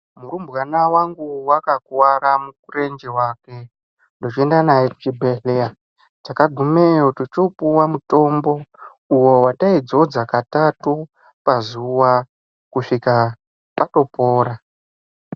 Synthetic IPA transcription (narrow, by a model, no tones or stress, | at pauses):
murumbwanawaŋɡuwakakuwaɾamukure̞nd͡ʒewaːke̞ | ndo̞t͡ʃie̞ndanajeku̥t͡ʃibʱeɬea | takaɡʱumejotut͡ʃopuwamuto̞mbo̞ | uwo̞wataid͡zo̞d͡zakatatu | pazuwa | kuʂika | pato̞po̞ːɾa